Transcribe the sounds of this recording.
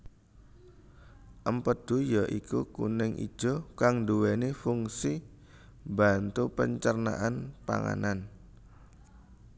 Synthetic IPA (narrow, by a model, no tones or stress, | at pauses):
ʔəmpəd̪̥ṳjaʔikukṵnɪŋʔḭd̥ʒ̥ɔ̤kaŋduwenefuŋsi | bant̪upəɲt͡ʃərna̰ʔanpa̰ŋa̰nan